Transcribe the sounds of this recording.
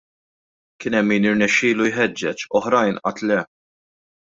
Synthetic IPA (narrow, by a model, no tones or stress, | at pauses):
kɪːnɛmːiːnɪɾnɛʃːɪːlujħɛd͡ʒːɛt͡ʃɔħɾɐjnʔɐ̰t̪lɛ